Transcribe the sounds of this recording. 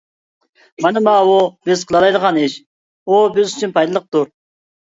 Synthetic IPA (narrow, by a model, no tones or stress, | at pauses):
mɑnɨmɑːwubɪzqʰəlˠɑlˠɑjd̪əʁɑnɪʃ | ubɪzyt͡ʃʰynpʰɑjd̪ɨlˠəq̚t̪uɾ